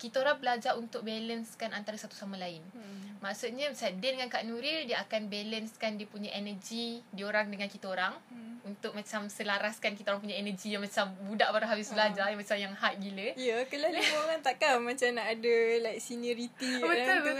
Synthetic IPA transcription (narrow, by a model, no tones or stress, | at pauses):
kit̪aoɾaŋbəlad͡ʒaʔunt̪ʊk̚bɛlənskanʔant̪aɾasat̪u̥samãlaɪnmaʔsut̪̚ɲãsadədəŋankaʔnuɾidiəakanbɛlənskandiəpuɲaʔenəd͡ʒidioɾaŋdəŋankit̪aoɾaŋunt̪ʊk̚mãt͡ʃamsəlaɾaskankit̪aoɾaŋp̬uɲaenəd͡ʒijaŋmãt͡ʃambudaʔpaɾaɦabɪsbəlad͡ʒajamat͡ʃamjaŋɦat̪̚ɡiləijakkəlaloŋant̪aʔkamat͡ʃamnaʔadəlaksinuɾit̪ibət̪ʊlbə